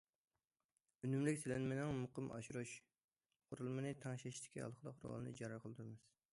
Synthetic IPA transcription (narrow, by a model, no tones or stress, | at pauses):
ynymlɪkʲselɛnmɪnɪŋmʊqəmɑ̰ʃuɾuʃ | qʰʊɾulˠmɨnɨt̪ʰɑŋʃɛʃt̪ʰɪ̥kʲʰiɑ̰lˠqʰəd̪ˠɑqʰɾ̰ɑ̰lˠɨnɨ̰d͡ʒɑɾɑɾqʰəlˠɨd̪ʰuɾɨmɨz̥